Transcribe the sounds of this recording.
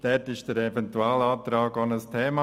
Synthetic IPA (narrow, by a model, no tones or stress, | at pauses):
d̥ɛtɪʃd̥əɾɛvɛntuaːlɑːt̪ɾɑːɡɔnəstʰeːmɑ